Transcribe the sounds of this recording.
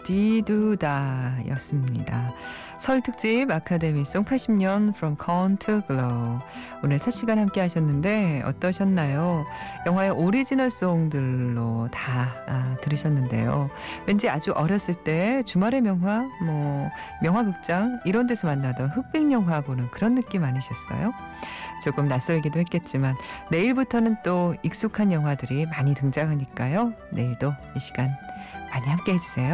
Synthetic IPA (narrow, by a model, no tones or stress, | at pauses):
tidudaḭjʌs͈ɯmɲḭda | sʰʌɭtʰɯk̚t͡ɕ͈ibakʰade̞mis͈oŋpʰaɭɕ͈ʰimɲʌnfɾʌmkʰʌntʰɯɡɯɭo | onɯɭt͡ɕʰʌt̚ɕ͈ʰiɡanhamk͈e̞ɦaɕʰʌnːɯnde̞ʌ̰t͈ʌɕʰʌnːajojʌŋɦwaeʔoɾid͡ʑinʌɭs͈oŋdɯɭːotaatɯɾiɕʰʌnːɯnde̞̰jo̰ | wend͡ʑiad͡ʑuʔʌɾjʌs͈ɯɭt͈e̞t͡ɕumaɾe̞mjʌŋɦwamwʌ | mjʌŋwakɯk̚t͡ɕ͈aŋiɾʌnt̬͈ʰesʰʌmanːadʌnɸɯk̚p͈iŋɲʌŋɦwabonɯnkɯɾʌnːɯk͈imaɲiɕʰʌs͈ʌ̰jo | t͡ɕoɡɯmnas͈ʌɭɡidohek͈e̞t̚t͡ɕ͈imanːe̞iɭbutʰʌnɯnt͈oik̚s͈ukʰanjʌŋɦwadɯɾimaɲitɯŋd͡ʑaɡaɲik͈ajone̞iɭdo | iɕʰi̥ɡanmaɲihamk͈e̞ɦe̞d͡ʑusʰe̞jo